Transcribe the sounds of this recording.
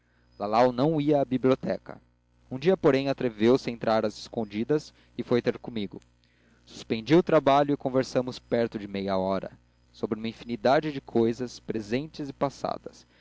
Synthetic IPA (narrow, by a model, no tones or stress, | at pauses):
lalawnɐ̃w̃iɐːbiblʲiot̪ɛkɐ̰ | ũd͡ʒiɐpoɾẽj̃at̪ɾevewsɪẽnt̪ɾaɾɐzɪskõd͡ʒid̪ɐs | ɪfojt̪eɾkõmiɡʊ | su̥spẽnd͡ʒiwʊt̪ɾabaʎʊɪkõveɾsɐ̃mʊspɛɾt̪ʊd͡ʒɪmejɐɔɾɐ̰ | sobɾɪũmɐĩfinid̪ad͡ʒɪd͡ʒɪkʰojzɐspɾezẽnt͡ʃɪzɪpasa̰d̪ɐs